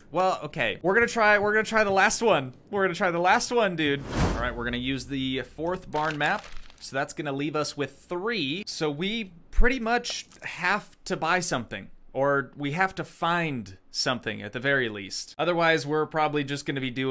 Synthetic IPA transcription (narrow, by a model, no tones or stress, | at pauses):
wɛlˠo̰ʊkʰeɪwɪɹɡʌnɨtʰɹ̥aɪwɪɹɡʌ̃nɨtʰɹ̥aɪðəlæst̚wʌ̃nwɨɹɡʌnɨtʰɹ̥aɪðəlæst̚wʌ̃ndʉd̚ɑ̰ɹa̰ɪt̚wɪɹɡʌnɨjʉzðɨfɔɹθb̥ɑɹnmæp̚soʊðætsɡ̥ʌnəlivʌswɪð̥θɹisoʊwi | pʰɹ̥ɪɾimʌt͡ʃhæftʰɨbaɪsʌ̃mθɪ̰̃ŋʔə˞wiɦæftɨfãɪ̃nd̥sʌ̃mθɪ̰̃ŋɨ̰t̪̚ðɨvɛɹilḭstʔʌðə˞waɪzwɪɹpʰɹ̥ɑbəblid͡ʒʌsɡ̥ʌnɨbidʉ